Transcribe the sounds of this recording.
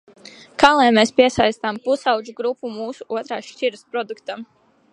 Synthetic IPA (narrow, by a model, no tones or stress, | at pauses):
kaːlˠɛjmeːspiɛsajst̪ampusawd͡ʒuɡɾupːumuːsuuɔt̪ɾa̰ːʃt͡ʃiɾɨspɾɔd̪ukt̪am